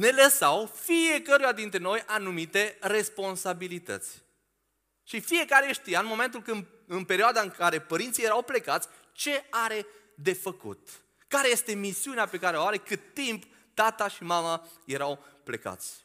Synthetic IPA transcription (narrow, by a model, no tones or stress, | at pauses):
ne̞ləsawfie̞kəɾujad̪int̪ɾeno̞jʔanumit̪e̞re̞spo̞nsabilit̪ə̰t̪sʲ | ʃifije̞kaɾe̞ʃt̪ijaɨnmo̞me̞nt̪̬ulkɨnd̪ | ɨnpe̞ɾioad̪aɨŋkaɾe̞pəɾint̪sijeɾawple̞kat̪sʲ | t͡ʃe̞aɾe̞ | d̪e̞fəkṵt̪ | kaɾe̞je̞st̪e̞misiuneape̞kaɾeoaɾe̞kɨt̪ːimp | t̪at̪aʃimamaje̞ɾawple̞̰ka̰t̪sʲ